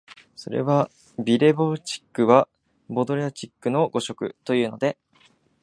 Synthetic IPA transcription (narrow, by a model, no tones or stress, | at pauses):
so̞̰ɾe̞̰βa | bʲiɾe̞bot͡ɕi̥kːɯ̟βa | bo̞d̪o̞ɾeat͡ɕikːɯ̟no̞ɡo̞ɕo̞kɯ̟̰t̪o̞jɯ̟ːno̞d̪e̞